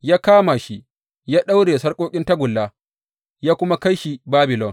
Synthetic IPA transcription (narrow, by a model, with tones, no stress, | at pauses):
jaː˦kaː˦ma˨ʃi˦ | jaː˦ɗa˦wɽeː˨sɐ˦rkʷʼoː˦kʲʼɪ˦nta˦ɡʷʊ˨lːaː˦ | jaː˦kʷʊ˦ma˦ka˦jʃi˨baː˦bɪ˨lɔ˦˨ŋ